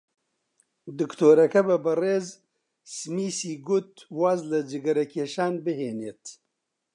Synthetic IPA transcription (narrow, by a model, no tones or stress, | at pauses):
d̪ɨkt̪ʰoːɾɐkɐbɐbɐreːz | smiːsiːɡʊt̪waːzlɨd͡ʒɨɡɐɾɐkʰeːʃaːnbɨɦeːneːt̪